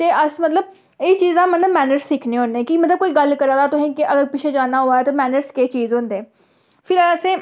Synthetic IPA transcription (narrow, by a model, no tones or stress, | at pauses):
t̪eːʔəsmət̪ləb̚ | ɪːt͡ʃiːzd̪aːmənə̃mɛːnəɾsːiːkʰneːɦõnːẽːkimət̪ləb̚koːiːɡəlkəɾãːd̪aːt̪ʊsĩːkɪʔəɡəɾpɪt͡ʃʰeːd͡ʒaːnaːɦoːaːɛːt̪oːmɛːnəɾskeːt͡ʃiːzɦʊ̃nd̪eː | pʰɪɾəsẽː